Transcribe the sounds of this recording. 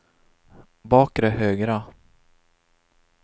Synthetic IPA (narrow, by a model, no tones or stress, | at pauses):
bɑːkɾɛhøːɡɾa